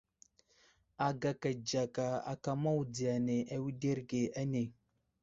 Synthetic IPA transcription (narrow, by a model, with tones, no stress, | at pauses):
a˨ɡa˨ka˨d͡ʒa˨ka˨a̰˨ka˦ma˦wu˨di˨ja˨ne˨ʔa˨wi˦de˦ɾɡe˨a˦ne˨